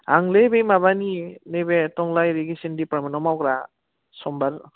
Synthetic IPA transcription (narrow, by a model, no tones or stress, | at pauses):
aŋlebejmaβaninebetɔŋlajɾiɡisindipɾaminɔmawɡɾa | sɔmbaɾ